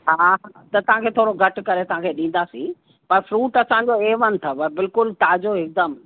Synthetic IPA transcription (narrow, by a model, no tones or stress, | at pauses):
ɦaː | t̪ɐt̪ɐʋ̤ãkʰeːt̪ʰoːɽoɡʱɐʈkɐɾet̪ɐʋ̤ãkʰeːɗĩːn̆d̪asḭ̃ː | pɐɾfɾuːʈɐsãːɲ̆d͡ʑoeːʋənɪ̆t̪ʰɐʋɐbɪlkʊlʈaːd͡ʑoɦɪk̚d̪əm